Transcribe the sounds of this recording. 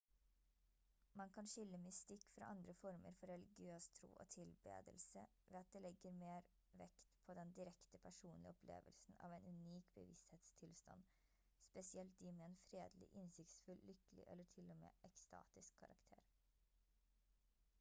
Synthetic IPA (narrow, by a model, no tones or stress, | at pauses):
mɑnkʰɑnʃʏlːəmɪst̪ɪkːfɾɑ̰ːʔɑnd̪ɾəfɔɾmə̰ɾfɔɾɛlɪɡɪøːst̪ʰɾṵːʔo̰ːt̪ʰɪlbḛːd̪əlsə | ʋeːɑt̪̚d̪eːlɛɡəɾmeːɾ | ʋɛkt̪pʰoːd̪ɛnd̪ɪɾɛkt̪əpʰæʂuːnlɪ̰ɔpʰlḛːʋəlsn̩ɑ̰ːʋeɪnʉniːkbə̰ʋɪst̪heːt̪st̪ʰɪlst̪ɑ̰n | spɛsɪɛlt̪̚d̪iːmeːeːnfɾeːd̪lɪ̰ʔɪnsɪkt̪sfʉllʏklɪ̰ʔɛ̰ləʈʰɪlːɔmḛːʔɛkst̪ɑ̰ːt̪ɪskʰːɑɾɑkt̪ʰḛːɾ